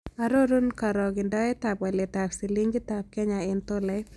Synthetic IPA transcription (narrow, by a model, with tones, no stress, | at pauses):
a˦ɾo˦ɾu˦nka˨ɾɔ˨ɡɪ˨ndɔ˦ɛ˦ta˨pwa˨lɛ˨taksi˨li˦ŋɡɪ˦ta˨p̚kɛ˦ɲa˨ɪnt̪o˦lɛ˨